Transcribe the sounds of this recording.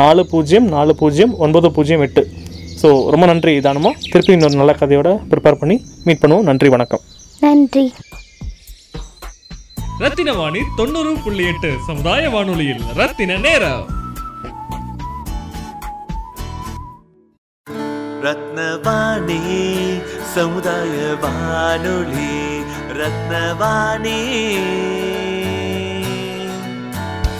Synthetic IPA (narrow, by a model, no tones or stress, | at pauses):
aːɭɯpuːd͡ʒɐjɐmnaːɭɯpuːd͡ʒɐjɐmɔnbɐðɯpuːd͡ʒɐjɐ̃mɪʈːɯsoːɾɔmbɐnɐndriðaːnɯmːaːt̪ɪɾɯpːiɪnɔɾɯnɐlːɐkɐðɐjoːɽɐpɪɾɪpeːɾpɐɳːimiːʈ̚pɐɳːɯʋoːnɐndriʋɐɳɐkːɐm | nɐnɖri | ɾɐt̪ːɪnɐʋaːɳit̪ɔnːɯɾɯpʊɭːɪjeʈːɯsɐmʊðaːjɐʋaːɳɯɭɐjɪlɾɐt̪ːɪnɐneːɾɐ̰ | ɾɐt̪nɐʋaːɳi | sɐmud̪aːjɐʋaɳuɭi | ɾɐt̪̚nɐʋaːɳi